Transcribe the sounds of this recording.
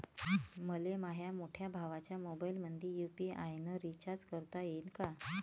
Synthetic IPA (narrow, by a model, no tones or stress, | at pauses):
məlemaɦjamoʈʰjabʱaʋat͡ɕjamobailmənd̪ʱiːjupiʔajnəɾit͡ɕaɾt͡skəɾt̪ajenka